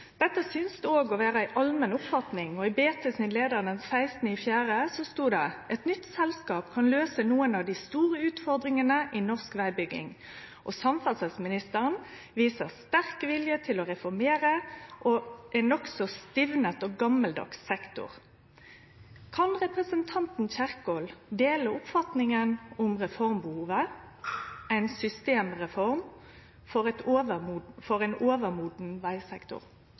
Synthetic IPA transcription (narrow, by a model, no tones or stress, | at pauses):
d̪̥ɛt̪ːəsʏnsd̪ʉoːɡɔʋæːʁəæɪʔɑlmənʊpfɑt̪nɪŋɔɪbeːt̪əsɪnleːd̪əʁənənsæɪst̪nɪfjæːʁəsɔst̪uːd̪ɛʔɛt̪nʏt̪sɛlskɑːpkʰɑnløːsənuːənɑʋd̪ɪst̪uːʁəʉːt̪fɔʁd̪ʁɪŋənəʔɪnɔʁskʋæɪbʏɡɪ̰ŋ | ʔɔsɑmfɑsɛsmɪnɪst̪əʁən | ʋiːsəʁst̪æʁkʋɪljət̪ʰɪlɔʁɛfɔʁmeːʁəʔoʔɛnɔksɔst̪ɪʋnət̪ɔːɡɑməld̪ɑ̰ksɛkt̪ʊ̰ʁ | kʰɑnʁɛpʁəsənt̪ʰɑnt̪n̩çæʁkoːld̪eːləʊpfɑt̪nɪŋənʊmʁɛfɔʁmbəhuːʋə | æɪnsʏst̪eːmʁɛfɔɾm | fɔʁɛt̪oːʋəmufɔɾæɪnoːʋəʁmuːd̪n̩ʋæɪsɛkt̪ʊ̰ʁ